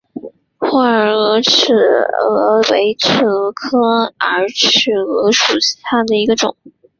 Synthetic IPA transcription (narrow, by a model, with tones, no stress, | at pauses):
xwa˥ə˧˩ɤ˧˥ʈ͡ʂʰɻ̩˥˩ɤ̰˧˥we˧˥ɪʈ͡ʂʰɻ̩˥˩ɤ˧˥kʰɤ˥ə˞˧˥ʈ͡ʂʰɻ̩˥˩ɤ˧˥ʂu˨˩ɕi̥˧˥t̪ʰa˥˩d̪ə˩i˧˥ɡə˧ʈ͡ʂʊ̰˨˩˦ŋ